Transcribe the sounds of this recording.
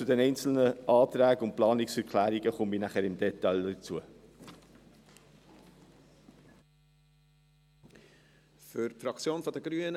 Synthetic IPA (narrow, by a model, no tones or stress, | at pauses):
t͡sʊdɛnɛɪnt͡sl̩nəʔɑːt̪ɾæːɡʊnt̚plɑːniksɛɾkʰlæːɾiɡəχʊminæχəɾɪmd̪ɛt̪ɑldət͡suə | fʏɾfɾɑkt͡sjoːnfɔdəɡɾyːənə